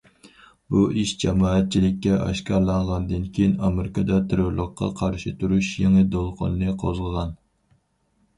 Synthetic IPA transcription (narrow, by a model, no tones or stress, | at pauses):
buiʃd͡ʒɛmɑːɛt̪̚t͡ʃʰilɪkʲːɛʔɑ̰ʃkɑɾlˠɑɴʁɑnd̪ɨnkʲʰejinɑmeɾɪkʰɑd̪ɑt̪ʰɨɾɨɾlˠəqʰːɑ̰qʰɑɾʃɪt̪ʰuɾuʃjeŋɨd̪olˠqʰo̰nɨnɨqʰozʁəʁɑn